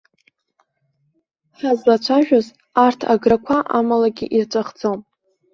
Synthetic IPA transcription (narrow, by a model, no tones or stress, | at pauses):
sazat͡ʃʷʰaʒᶣaz | artʰa̰ɡrakʷʰaʔamalaɡʲḭʔirt͡ʃʷʼaχd͡zom